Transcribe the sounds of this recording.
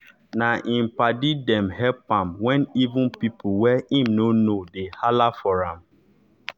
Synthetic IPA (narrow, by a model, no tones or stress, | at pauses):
naʔĩmpadidɛ̃mhɛpãmwɛ̃nivũnpipʰuwɛĩmnonodehalafɔɹãm